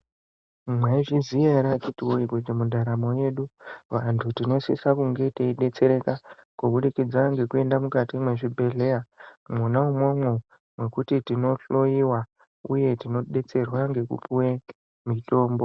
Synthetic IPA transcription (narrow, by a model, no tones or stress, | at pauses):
mweʐizijeɾat͡ʃitiwoiɡwed͡ʒemudʱaɾamo̞je̞ɗuʋantʰutino̞sḭsakuŋɡe̞teiɗe̞t͡se̞ɾe̞kakuɓuɗikid͡zaŋɡe̞kue̞ndamukatimwe̞ʐibʱe̞ɮe̞jamunaumwo̞mwo̞ | mwe̞kutitino̞ɬo̞jiwa | uje̞tino̞ɗe̞t͡se̞rwaŋɡe̞kṵpuwe̞ | mito̞ːmbo̞